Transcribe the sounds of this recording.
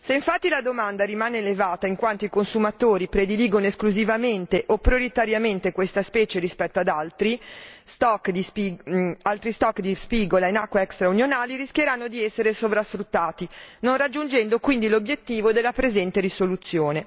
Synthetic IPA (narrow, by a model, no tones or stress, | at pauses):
seiɱfat̪ːilad̪omand̪aɾimaːneːlevaːt̪aiŋkwant̪oikonsumat̪oːɾipɾed̪iliːɡonoeskluzivament̪eʔopɾijoɾit̪aɾjament̪ekwest̪aspɛːt͡ʃeɾispɛt̪ːoad̪alt̪ɾist̪ɔkːd̪isialt̪ɾist̪ɔkːd̪ispiːɡolainakːwaɛkst̪ɾaunjonaːliɾiskʲjeɾanːod̪iɛsːeɾesovɾasfɾut̪ːaːt̪inõnrad͡ʒːund͡ʒɛnd̪okwind̪ilobjet̪ːiːvod̪elːapɾezɛnt̪eɾisolut̪sːjoːne